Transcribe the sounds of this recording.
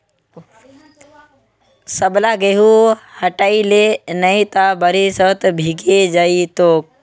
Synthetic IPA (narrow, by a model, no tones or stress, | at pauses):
səblaɡeɦuhəʈaːilenəĩt̪abəɾisət̪bʱiɡed͡ʒait̪oːk̚